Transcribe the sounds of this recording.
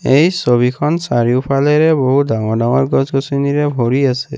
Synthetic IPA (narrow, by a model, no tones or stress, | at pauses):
ejsobikʰɔnsaɹiʊpʰalɛɹɛboɦudaŋɔɹdaŋɔɹɡɔsɡɔsiniɹɛbʱoɹiasɛ̰